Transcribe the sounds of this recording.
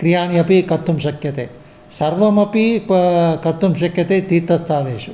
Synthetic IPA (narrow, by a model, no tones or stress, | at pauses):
kɾijaːnjɐpikɐt̪ʰːumʃɐkjɐt̪eː | sɐɾʋɐmɐpi | kɐt̪ːumʃɐkjɐt̪eːt̪it̪ɐst̪ʰaːleːʃu